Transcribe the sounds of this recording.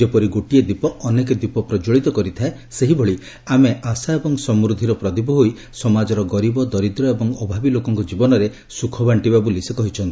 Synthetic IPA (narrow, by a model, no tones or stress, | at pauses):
d͡ʒepɔɾiɡoʈied̪ipɔːneked̪ipɔpɾɔd͡ʒoɭit̪ɔkɔɾit̪ʰae | seɦibʱɔɭi | ameʔasaebɔŋsɔmɾud̪ʱiɾɔpɾɔd̪ibɔɦoj | sɔmad͡ʒɔɾɔɡɔɾibɔd̪ɔɾid̪ɾɔebɔŋɔbʱabilokɔŋkɔd͡ʒibɔnɔɾe | sukʰɔbaɳʈibabulisekɔɦit͡ʃʰɔnt̪ii